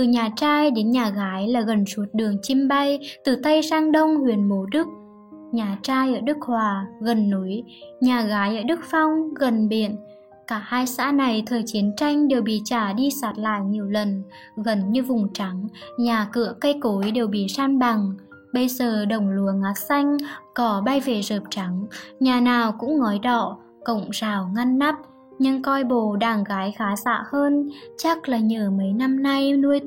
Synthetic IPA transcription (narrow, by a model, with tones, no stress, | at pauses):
t̪ɨ˨˩ɲaː˨˩t͡ɕaː˧jɗe˨˦nɲaː˨˩ɣaː˨˦jlaː˨˩ɣə˨˩nsu˨˦ət̚ɗɨ˨˩əŋt͡ɕi˧mɓa˧jt̪ɨ˨˩t̪ə˧jsaː˧ŋɗə˧wŋ͡mhwi˧˩ənɓo˨˦ɗɨ˦˥k̚ | ɲaː˨˩t͡ɕaː˧jʔəː˧˩ɗɨ˦˥k̚hwaː˨˩ɣə˨˩nːu˨˦jɲaː˨˩ɣaː˨˦jʔəː˧˩ɗɨ˦˥k̚fa˧wŋ͡mɣə˨˩nɓḭ˧˨ən | kaː˧˩haː˧jsa̰ː˧˥na˨˩jt̪ʰəː˨˩jt͡ɕi˨˦ənt͡ɕa˧jŋ̟ɗe˨˩wɓḭ˧˨t͡ɕaː˧˩ɗi˧saː˨˦˥t̚la̰ː˧˨jɲi˨˩əwlə˨˩n | ɣə˨˩nɲɨ˧vʊ˨˩ŋ͡mt͡ɕa˨˦ŋɲaː˨˩kɨ̰˧˨əkə˧jko˨˦jɗe˨˩wɓḭ˧˨saː˧nɓa˨˩ŋ | ɓə˧jzəː˨˩ɗə˨˩wŋ͡mlu˨˦əŋʔaː˨˦t̚sa˧jŋ̟kɔ˨˦ɓa˧jve˧˩zəː˨˩p̚t͡ɕa˨˦ŋɲaː˨˩naː˨˩wkʊ̰˧˥ŋ͡mŋɔ˨˦jɗɔ̰˧˨ | kə̰˧˨wŋ͡mz̥aː˨˩wŋa˧nːa˦˥p̚ | ɲɨ˧ŋkɔ˧jɓo˧˨ɗaː˨˩ŋɣaː˨˦jxaː˨˦za̰ː˧˨həː˧nt͡ɕa˦˥k̚laː˨˩ɲəː˨˩mə˨˦jna˧mna˧jnu˧əj